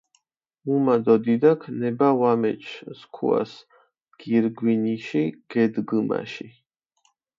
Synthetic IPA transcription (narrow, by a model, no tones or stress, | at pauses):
mumad̪ɔd̪id̪akʰnɛbawamɛ̰t͡ʃʰskʰṵa̰s | ɡ̥iɾɡwiniʃiɡ̥ɛd̪ɡɨma̰ʃi